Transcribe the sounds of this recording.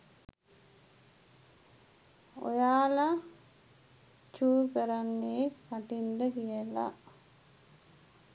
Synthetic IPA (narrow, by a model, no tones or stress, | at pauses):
o̰jaːla | t͡ʃuːkəɾanːeːkpaʈind̪əkijəla̰